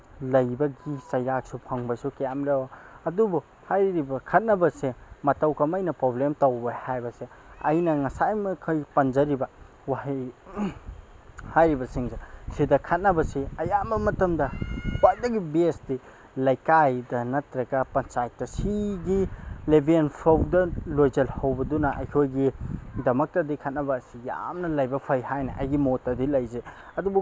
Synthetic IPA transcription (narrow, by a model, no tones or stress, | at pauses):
lɐjbɐɡisɐjɾak̚supʰɐŋbɐsukɐjamɾɐoɐdubu | hajɾibɐkʰɐt̚nɐbɐsemɐtɐwkɐmɐjnɐpɾoblemtɐwbehajbɐse | ɐjnɐŋɐsajmɐkʰɐjpɐnd͡ʒɐɾibɐ | wahij | hajɾibɐsiŋsesidɐkʰɐt̚nɐbɐsiɐjambɐmɐtɐmdɐwat̚dɐɡibesdi | lɐjkajdɐnɐtɾɐɡɐpɐnt͡ʃajtːɐsiɡilebenpʰowdɐlojzɐlhɐwbɐdunɐʔɐ̰jkʰojɡidɐmɐk̚tɐdikʰɐt̚nɐbɐːsija̰mnɐlɐjbɐpʰɐjhajnɐ̰ʔɐ̰jɡimotːɐdilɐjzeɐdubu